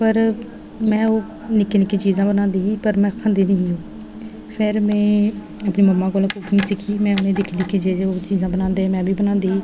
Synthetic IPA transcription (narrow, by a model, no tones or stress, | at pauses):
pəɾ | mɛ̃ːoː | nɪkeːnɪkit͡ʃiːzãːbənãːnd̪iːɦiːpəɾmɛ̃ːkʰə̃nd̪iːniːɦiːɦoː | pʰɪɾmɛ̃ː | əpniːməmːãːkoːlakʊkʰĩsɪkʰiːmɛ̃ːʊnẽːd̪ɪkʰd̪iːkid͡ʒeːd͡ʒeːoːt͡ʃiːzãːbənãːnd̪eːmɛ̃ːbʱiːbənãːnd̪iːiː